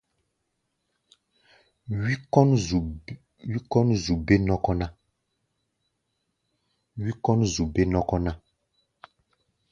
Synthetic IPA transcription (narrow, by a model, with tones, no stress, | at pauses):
i˦kɔ˦n˨ | wi˦kɔ˦nzu˨be˦nɔ˦kɔ˦na˦ | wi˦kɔ˦nzu˨be˦nɔ˦kɔ˦na˦